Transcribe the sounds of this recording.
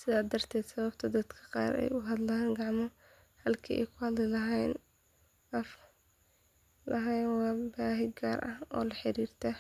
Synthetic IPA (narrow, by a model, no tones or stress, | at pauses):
sɪðaːd̪ɐrt̪ʰɛːd̪sɐβɐb̚t̪ʰɐd̪ɐd̪kʰɐ̥qɑ̰ːɾɛ̰jʊɦɐd̪laaŋɡɑʕmɔ | hɐlkʰiːʔɛ̰jkʰʊhɐd̪lɪlɐɦɛjn | ɐf | lʔɐɦɛjnwɑːbaːɦɪɡaːrʔɐhʔɔːlɐħɪɾiːrt̪ʰɐ